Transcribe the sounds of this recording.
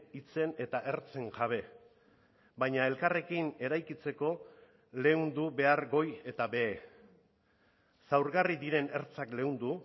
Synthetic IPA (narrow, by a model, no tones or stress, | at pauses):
it͡se̞ne̞t̪aʔe̞ɾt͡se̞ŋʝaβ̞e̞ | bajɲae̞lkare̞kine̞ɾajkit͡se̞ko̞ | le̞und̪uβe̞aɾɣo̞je̞t̪abe̞ː | sawɾɣarid̪iɾe̞ne̞ɾt͡sakle̞und̪u